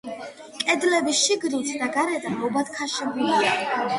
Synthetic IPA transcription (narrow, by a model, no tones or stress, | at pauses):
kʼɛd̪lɛbisʃiɡɾilt̪ʰd̪aɡaɾɛd̪amɔbat̪̚kʰaʃibuliia